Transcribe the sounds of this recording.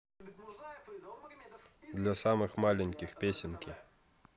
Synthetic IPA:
d̪lʲasamɨxmalʲɪnʲkʲɪxpʲesʲɪnkʲɪ

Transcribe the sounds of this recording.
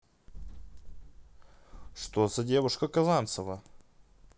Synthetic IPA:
ʂt̪ozɐdʲe̞vʊʂkəkɐzant̪səvə

